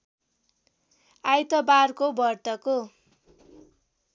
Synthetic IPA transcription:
ajt̪ʌbarkobʌrt̪ʌko

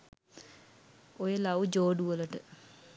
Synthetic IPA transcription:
ojəlaud͡ʒoːɖuʋələʈə

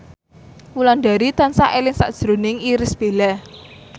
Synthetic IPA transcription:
wulanɖa̤ɾit̪ansaʔelɪŋsa̰ʔd̥ʒ̥ɾonɪŋiɾɪsb̥e̤lɛh

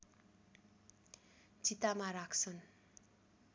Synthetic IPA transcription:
d͡zit̪amaɾakʰt͡sʰʌn

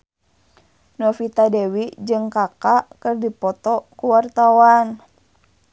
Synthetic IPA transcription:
nɔfit̪adɛwid͡ʒɨŋkakakɨrdipɔt̪ɔkuwart̪awan

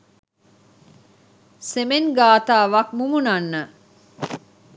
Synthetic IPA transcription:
semeŋɡaːt̪aːʋɐkmumunanːə

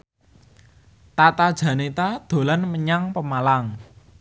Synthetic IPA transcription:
t̪at̪ad̥ʒ̥a̤net̪ad̪̥o̤lanməɲaŋpəmalaŋ

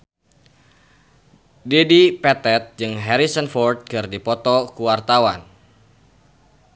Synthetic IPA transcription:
dedipɛt̪ɛt̪̚d͡ʒɨŋɦɛɾisənfɔrd̪̚kɨrdipɔt̪ɔkuwart̪awan

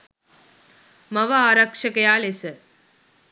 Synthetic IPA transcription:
mɐʋɐaːɾɐkʂɐkɐjaːlesɐ

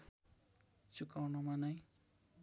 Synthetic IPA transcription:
t͡sukawnʌmanʌj

